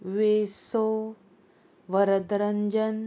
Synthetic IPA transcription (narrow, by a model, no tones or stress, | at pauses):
ʋeːsoː | ʋɐɾɐd̪ɾɐɲd͡ʒɐn